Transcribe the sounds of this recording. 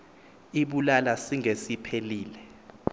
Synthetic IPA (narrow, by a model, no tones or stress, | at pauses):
iɓulalasiŋesipʰeliːlɛ